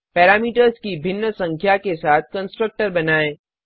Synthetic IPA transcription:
pɛːɾaːmiːʈəɾzkibʱɪnːəsɐ̃ŋkʰjakesaːt̪̚ʰkɐ̃nsʈɾək̚ʈəɾbɐnaːẽː

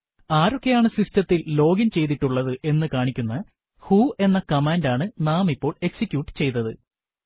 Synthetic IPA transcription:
aːɾo̞kːe̞jaːɳɨsistɐt̪ːilːo̞ːɡɐnt͡ɕe̞jt̪̬iʈːuɭːɐðɨʔe̞nːɨkaːɳikʲːunːɐ | huːe̞nːɐkɐmaːndaːɳɨnaːmipːo̞ːɭe̞ksikʲːjuːʈːɨ̥t͡ɕe̞jt̪ːɐðɨ

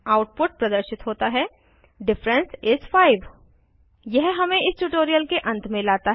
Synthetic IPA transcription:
aːʊʈ̚pʊʈ̚pɾɐd̪əɾʃɪt̪ɦoːt̪aɦɛ | ɖɪfɾə̃nsɪzfaːɪʋ | jɛɦɦɐmẽɪsʈuʈoːɾijəlkeʔɐ̃nt̪ʰmẽlaːt̪aɦ

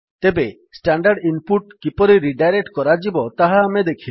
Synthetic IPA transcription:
t̪ebe | sʈaɳɖaɾɖinpuʈkipɔɾiɾiɖajɾek̚ʈkɔɾad͡ʒibɔt̪aɦaːmed̪ekʰil

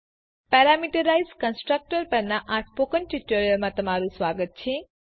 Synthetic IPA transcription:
pɛɾamiʈəɾaizkənsʈɾək̚ʈəɾpəɾnaʔãʈʰpokənʈiʈoɾijəlmãt̪əmaɾũsʋaɡət̪̚t͡ʃʰe

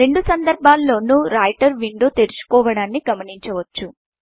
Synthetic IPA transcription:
ɾe̞ɳɖusɐnd̪ɐɾbʱaːlːo̞ːnuɾaːjʈɐɾʋiɳɖoːt̪e̞ɾut͡ʃu̥kɔːʋɐɽaːnːiɡɐmɐniɲt͡ʃɐʋɐt͡ʃːu

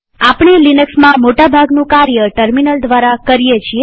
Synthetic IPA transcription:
apɳilinəksmãmoʈabʱaɡnũkaɾjəʈəɾminəld̪ʋaɾakəɾijet͡ʃʰie

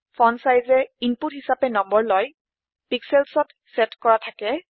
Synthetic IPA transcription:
fʰɔnsajzɛinputɦisapɛnɔmbɔɹlɔj | piksɛlsɔt | sɛtkɔɹatʰakɛ

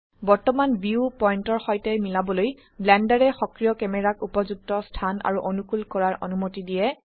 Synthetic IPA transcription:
bɔɹtɔmanbiupɔjntɔɹxɔjtɛmilabɔloj | blɛndaɹɛxɔkɹijɔkɛmɛɹakupɔzuk̚tɔstʰana̰ɹuʔonukulkɔɹaɹɔ̰numotidijɛ

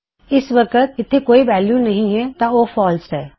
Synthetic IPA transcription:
ɪsʋɐkət̪̚ɪt̪ʰːekoːiʋɛːljunɐɦĩɦɛt̪aoːfɔːlsɦɛː

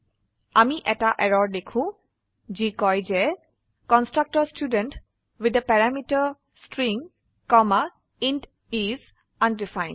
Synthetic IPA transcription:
amiʔɛtaʔɛɹɔɹdekʰũ | d͡ʒikɔjd͡ʒɛ | kɔnstɹak̚tɔstjudɛ̃nt | wid̪əpɛɹamitaɹ | stɹĩŋ | kɔma | ind | iz | ãndifãj̃n

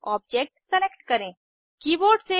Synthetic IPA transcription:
ɔːb̚d͡ʒeːk̚ʈsɐlekʈkɐɾẽː | kiːboːɾɖse

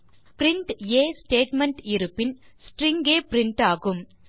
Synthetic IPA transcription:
pɾɪɳʈeːsʈeːʈmɛɳʈɪɾɯpːɪnsʈɾɪŋɡeːpɾɪɳʈaːɣɯm

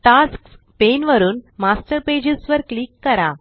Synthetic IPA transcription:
t̪at͡sk | penʋəɾuːnmasʈəɾped͡ʑesʋəɾkliːkːəɾa

